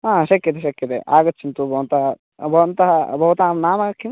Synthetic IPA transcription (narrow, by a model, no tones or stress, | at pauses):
ɦaːʃɐkjɐt̪̬eʃɐkjɐt̪eʔaːɡɐt̪ːt͡ʃʰːint̪ubʱɐʋɐnt̪ɐɦɐ | bʱɐʋɐnt̪ɐɦɐbʱɐʋɐt̪aːmnaːmɐːɐkʰːim